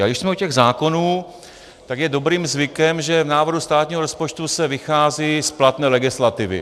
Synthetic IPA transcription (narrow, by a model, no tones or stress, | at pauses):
aɡdɪʃsmɛucɛɣzaːko̞nuː | t̪aɡjɛdo̞bɾiːmzvɪkɛmʒɛvnaːvrɦust̪aːt̪ɲiːɦoɾospot͡ʃt̪usɛvɪxaːzisplat̪nɛːlɛɡɪslat̪ɪvɪ̰